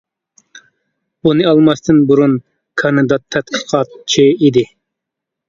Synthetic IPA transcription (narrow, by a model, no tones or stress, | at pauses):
b̥unɨɑlˠmɑst̪ʰɨnbuɾun | kʰɑnɨd̪ɑt̪ʰːɛt̪qʰə̥qʰɑt̪̚t͡ʃʰiid̪ɪ